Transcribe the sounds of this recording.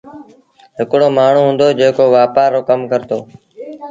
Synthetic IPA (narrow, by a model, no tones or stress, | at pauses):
ɦɪkɽoːmaːɳ̤ũːɦũːnd̪oːd͡ʒeːkoːʋaːpaːɾːoːkəmkəɾt̪oː